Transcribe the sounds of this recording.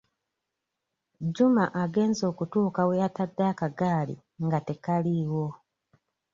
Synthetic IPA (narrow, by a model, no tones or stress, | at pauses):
ɟumaʔaɡe̞ːnzo̞ːkutuːkawejatadːaːkaɡaːlḭ | ŋɡate̞kaliwo̞